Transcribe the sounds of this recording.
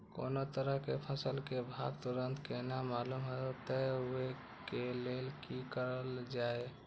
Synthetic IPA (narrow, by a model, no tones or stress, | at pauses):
ko̰not̪əɾəɦkepʰəsəlkebʱabt̪uɾənt̪kenamalumɦeot̪əue | kelelkikəɾəld͡ʒae